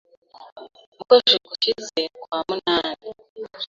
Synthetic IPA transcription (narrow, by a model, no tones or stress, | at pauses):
mukoʃikuʃizekwaːmunaːni